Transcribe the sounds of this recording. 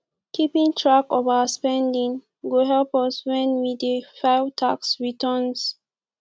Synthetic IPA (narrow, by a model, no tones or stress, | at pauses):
kipĩŋtʰɹakovaspɛ̃ndĩŋ | ɡoɦɛlpɔswɛ̃nwidefaɪvtʰaksɹitʰɔns